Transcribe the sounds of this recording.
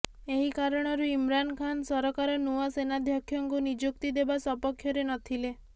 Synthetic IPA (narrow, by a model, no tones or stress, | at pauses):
eɦikaɾɔɽ̃ɔɾuimɾankʰansɔɾɔkaɾɔnuasenad̪ʱjakʰːjɔŋkunid͡ʒukt̪id̪ebasɔpɔkʰːjɔɾenɔt̪ʰile